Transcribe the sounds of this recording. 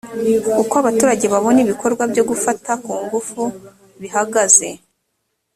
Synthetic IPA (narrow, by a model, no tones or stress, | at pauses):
ukoaβatuːɾaɟe̞βaβo̞niβikʰo̞ɾɡwabjo̞ɡufatakuːŋɡufu | βihaɡaze̞